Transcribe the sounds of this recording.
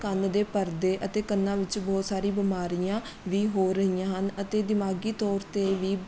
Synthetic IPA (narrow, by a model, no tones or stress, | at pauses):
kənd̪eːpəɾd̪eːʔət̪eːkənːãːʋɪt͡ʃbɔːt̪saːɾiːbɪmaːɾijãː | ʋiːɦoːɾəɦiːãːɦənət̪eːd̪ɪmaːɡiːt̪ɔːɾt̪eːʋiː